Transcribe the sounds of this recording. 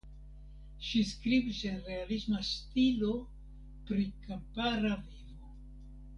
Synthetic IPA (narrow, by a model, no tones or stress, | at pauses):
ʃiskɾibiseɾe̞alismastilo̞ | pɾikampaɾavivo